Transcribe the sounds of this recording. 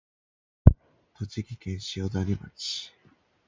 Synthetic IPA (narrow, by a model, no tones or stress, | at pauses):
t̪ʰot͡ɕikʲikẽɰ̃ɕiod̪aɾʲima̰t͡ɕi̥